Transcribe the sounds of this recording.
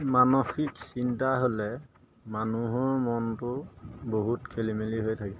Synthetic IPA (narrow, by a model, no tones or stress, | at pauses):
manoxiksintaɦolɛ | manuɦɔɹmɔntʊboɦutkʰelimeliɦojtʰakɛ